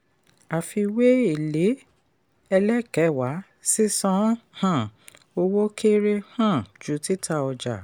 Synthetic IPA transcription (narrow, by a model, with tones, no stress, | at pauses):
a˨fi˧we˦e˨le˨˦ | ɛ˧lɛ˦kɛ˨˦˨wa˨˦ | si˦sɔ̃˧˦hã˦˨ | o˧wo˦kʰe˦ɾe˦hã˦˨d͡ʒu˨˦ti˦tʰa˦˧ɔ˧d͡ʒa̰˨